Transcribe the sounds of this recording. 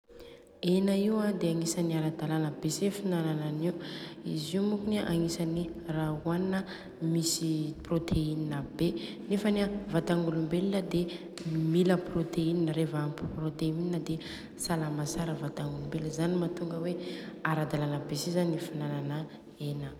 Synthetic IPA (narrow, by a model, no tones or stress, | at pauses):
enəiwad̪eaŋisaniaɾad̪alanəbesefinanananiuḭziumukuneʔaŋisanirauannə | misiprot̪ʰeininəbe | nefənevat̪aŋɡulumbeliləd̪e | miləprot̪eininəɾevəampiprot̪eininəd̪e | salamasaɾəvat̪aŋɡulumbeləzanimat̪uŋɡəweaɾad̪alanəbesizanifinananə | enə